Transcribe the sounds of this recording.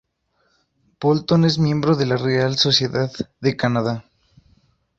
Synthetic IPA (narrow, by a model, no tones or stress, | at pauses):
b̥olt̪one̞zmjẽ̞mbɾoðe̞larealso̞sje̞ðaððe̞kanaða